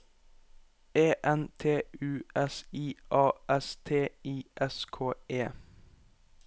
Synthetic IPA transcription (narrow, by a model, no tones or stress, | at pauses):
eːʔɛnt̪ʰeːʉːɛsiːʔɑːʔɛst̪ʰeːiːʔɛskʰoːeː